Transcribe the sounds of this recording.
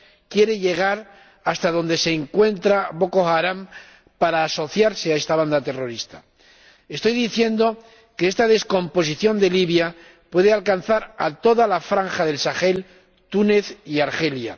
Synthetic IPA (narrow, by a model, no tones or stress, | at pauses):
kje̞ɾe̞ʎe̞ɣ̞aɾ | ast̪aðo̞nd̪e̞se̞ːŋkwe̞nt̪ɾaβo̞ko̞xaɾam | paɾaːso̞θjaɾse̞ae̞st̪aβ̞and̪at̪e̞ro̞ɾist̪a | e̞st̪o̞jðiθje̞nd̪o̞ | keest̪aðe̞sko̞mpo̞siθjo̞nd̪e̞liβja | pwe̞ðealkan̟θaɾa̰t̪o̞ðalafɾaŋxaðe̞lsaxe̞l | t̪une̞θiaɾxe̞lja̰